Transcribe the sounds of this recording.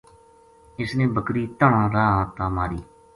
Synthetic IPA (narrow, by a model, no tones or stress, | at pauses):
ɪsnẽːbəkɾiːt̪əɳãːɾaːãːt̪ãːmaːɾiː